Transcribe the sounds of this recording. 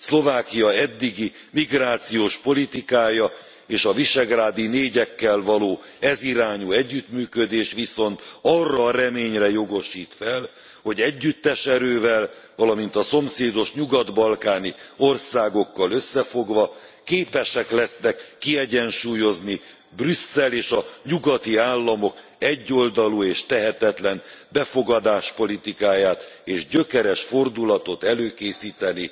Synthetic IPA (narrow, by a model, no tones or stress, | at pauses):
slo̞vaːkijɒɛd̪ːiɡi | miɡraːt̪sijoːʃpo̞lit̪ikaːjɒ | eːʃɒviʃɛɡraːd̪ineːɟɛkːɛlvɒloː | ɛziɾaːɲuɛɟːyt̪myːkød̪eːʃʋiso̞nt̪ɒrːɒːɾɛmeːɲrɛjo̞ɡo̞ʃiːt̪fɛl | ho̞ɟɛɟːyt̪ːɛʃɛɾøːvɛlvɒlɒmint̪ɒso̞mseːd̪o̞ʃɲuɡɒd̪bɒlkaːnio̞rsaːɡo̞kːɒlø̞sːɛfo̞ɡʋɒ | keːpɛʃɛklɛsnɛkːiɛɟɛnʃuːjo̞zni | brysːɛleːʃɒɲuɡɒt̪iaːlːɒmo̞k | ɛɟːo̞ld̪ɒlueːʃt̪ɛɦɛt̪ɛt̪lɛnbɛfo̞ɡɒd̪aːʃpo̞lit̪ikaːjaːt̪eːʒɟø̞kɛɾɛʃfo̞rd̪ulɒt̪o̞t̪ɛløːkeːsiːt̪ɛni